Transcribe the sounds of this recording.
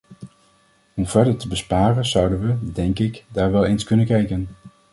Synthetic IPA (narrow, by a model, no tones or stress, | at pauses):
ɔmv̥ɛɹdəɹtəbəspaːrənzʌwdənʋədɛŋkɪkdaːɹʋɛlˠejnskɵnənkɛjkən